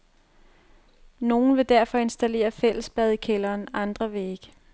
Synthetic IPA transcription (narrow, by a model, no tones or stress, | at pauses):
no̝ːn̩ʋe̝d̥æɐfɒ̽e̝nsd̥æle̝̰ːɐfel̰əsb̥ɛð̞̩ˠikʰelɐːnɑ̈nd̥ʁɐʋe̝e̝ɡ̥ə